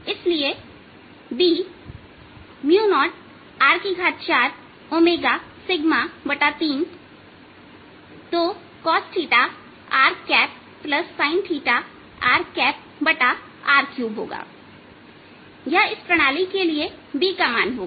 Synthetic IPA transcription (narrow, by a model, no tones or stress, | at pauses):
ɪslie | biː | mjuːnɔːʈ̚ | aːɾkiɡʱaːt̪̚t͡ʃaːɾ | oːmeːɡasɪɡmabɐʈat̪iːn | t̪oː | kɔːsʈʰiːʈa | aːɾkɛːp̚ː | ləsːaːɪnʈʰiːʈa | aːɾkɛːp̚ | bɐʈa | aːɾkjuːbɦo̰ːɡa̰ː | jaɪspɾɐɽ̃aːlikeliebiːkamaːnɦoːɡa